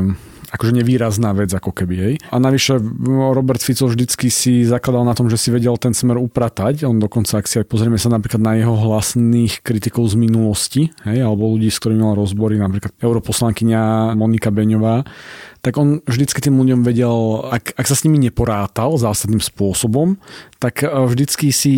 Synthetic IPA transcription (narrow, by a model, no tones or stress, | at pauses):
akɔʒɛɲɛʋiːɾaznaːʋɛd͡zakɔkɛbiɦɛjanaʋiʃɛɾɔbɛɾt̪fit͡sɔlʒd̪it͡skisizaklad̪alˠnat̪ɔmʒɛsiʋɛɟɛlt̪ɛnsmɛɾupɾat̪acɔnd̪ɔkɔnt͡saaksiajpɔzɾɪɛmɛsanapɾiːklad̪najɛɦɔɦlasniːxkɾit̪ikɔʊzminulɔsciɦɛjalɛbɔluɟiːsk̚t̪ɔɾiːmimalaɾɔzbɔɾinapɾiːklat̪ɛʊɾɔpɔslaŋkiɲamɔnikabɛɲɔʋaːt̪aɡɔnvʒd̪it͡skit̪iːmluɟɔmʋɛɟɛlakaksasɲimiɲɛpɔɾaːt̪alzaːsad̪niːmspʊɔsɔbɔmt̪akvʒd̪it͡skisi